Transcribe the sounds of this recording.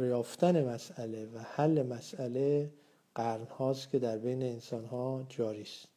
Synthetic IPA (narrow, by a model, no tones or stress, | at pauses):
ɾjɒːft̪ʰæne̞mæsæle̞væhælːe̞mæsæle | ɢ̥æɾnhɒːst̪kʰʲe̞d̪æɾbejne̞ːnsɒːnhɒːd͡ʒɒːɾist̪